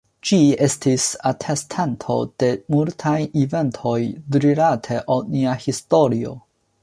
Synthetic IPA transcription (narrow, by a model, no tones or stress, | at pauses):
d͡ʒie̞stisatʰe̞stʰantʰo̞̰d̥e̞multʰajive̞ntʰo̞jdɾiɾatʰe̞ʔawniahisto̞ɾio̞̰